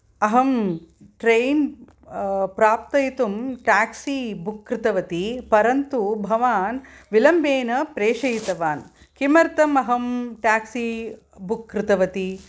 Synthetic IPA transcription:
ɐɦɐmʈɾejn | pɾaːp̚t̪ɐjit̪umʈaːksibukːɾɪt̪ɐʋɐt̪ipɐɾɐnt̪ubʱɐʋaːnʋilɐmbeːnɐpɾeːʂɐjit̪ɐʋaːn | kimɐɾt̪ɐmɐɦɐmʈaːksi | bukːɾɪt̪ɐʋɐt̪i

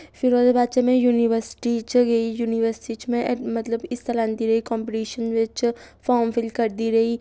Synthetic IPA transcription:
fɪɾoːd̪ebaːt͡ʃemẽjuːniʋəɾsɪ̥ʈit͡ʃɡɐijuːniʋəɾsʈit͡ʃmẽmɐt̪ləbɪst̪ɐlãːnd̪iɾɐɦikɔ̃ːmpiʈiːʃənʋɪt͡ʃfɔːɾmfɪlɖkɐɾd̪iɾɐɦi

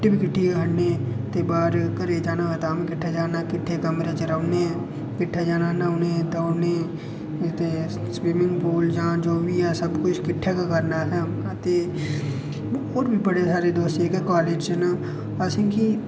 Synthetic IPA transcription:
ʈibʱikɪʈʰːiɡʱəɽne | t̪ebaːɾkəɾed͡ʒaːnaɦt̪amekɪʈʰːed͡ʒaːnakɪʈʰːekɐmɾet͡ʃeɾɐne | kɪʈʰːed͡ʒaːnanaʊnet̪one | t̪e | swɪmɪ̃ŋɡpoːld͡ʒãd͡ʒoːbʱijasɐbkʊt͡ʃʰkɪʈʰːekakɐɾnaɦɛmkat̪e | oːɾbʱipəɽesaːɾed̪oːst̪ekekaːleːd͡ʒt͡ʃəna | ɐsĩki

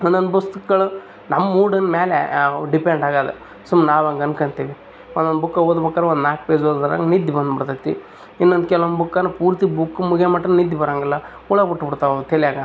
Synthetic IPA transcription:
ond̪ond̪bɐst̪ukɡɐɭu | nɐmːɐmuːɽɐnmeːlḛɖipeɳɖaːɡaːd̪ḛ | sumnaːʋɐŋɡɐnkɐɳt̪iːʋi | ond̪ond̪bukːaoːd̪ubɐkːaːɾeond̪naːk̚ped͡ʒoːd̪d̪aɾa̰ŋɡnid̪jibɐnd̪biɽt̪at̪ːḭ | inːond̪kɛlonbukːaːnupuːɾt̪ibukːumuɡemaʈːɐnnid̪ːibɐɾaːŋɡɐlːɐ | uɭɐbuʈːbiɽt̪aːʋɐt̪ʰeliaːɡa

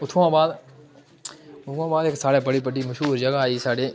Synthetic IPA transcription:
ʊt̪ʰʋãbaːd̪ | ʊt̪ʰʋãːbaːd̪eksaːɽebəɽipəɖiməʃɦuːɾd͡ʒəɡaaːiːsaːɖeː

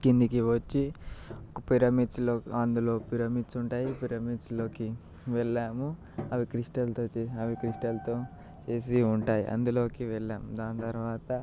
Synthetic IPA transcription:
kind̪ikiʋɐt͡ʃːiokɐpiɾɐmit͡ʃloːɐnd̪ulo̞ːpiɾɐmisuɳʈaːjipiɾɐmit͡ʃloːki | ʋɛɭːaːmu | ɐʋikɾiʂʈɐlt̪oːt͡ʃːɐʋikɾiʂʈɐlt̪o̞ː | t͡ʃe̞ːs̬iuɳʈaːjḭʔɐ̰nd̪ulo̞ːkiʋɛɭːaːmud̪aːnt̪ɐɾuʋaːt̪ɐ

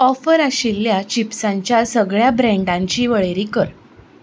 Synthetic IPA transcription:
ɔfəɾaɕilːjat͡ɕipsãɲt͡ɕjasəɡɭjabɾɛ̃ɳɖãɲt͡ɕiːʋəɭeɾiːkəɾ

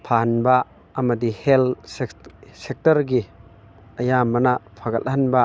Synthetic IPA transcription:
pʰanbaː | mɐd̪ihɛl | sek̚tɐɾɡi | ɐjamɐnapʰaɡɐlhɐnba

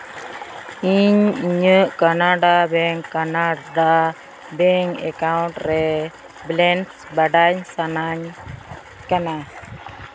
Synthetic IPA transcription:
iɲiɲəʔkanaɖabɛŋkanaɖa | bɛŋɛ̰kawnʈɾɛ | blɛnsbaɖaɲsanaɲ | kana

